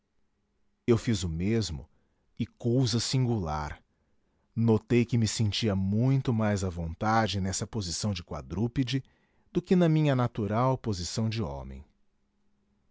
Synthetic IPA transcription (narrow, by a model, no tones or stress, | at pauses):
ewfizʊmezmʊ̰ | ɪkowzɐsĩŋɡula̰ɾ | not̪ejkɪmɪsẽnt͡ʃiɐmũj̃t̪ʊmajzɐvõnt̪ad͡ʒɪnɛsɐpozisɐ̃w̃d͡ʒɪkwa̰d̪ɾupid͡ʒɪ | d̪̥ʊkɪnɐmĩɲɐnat̪uɾawpozisɐ̃w̃d͡ʒɪɔ̰̃mḛ̃j̃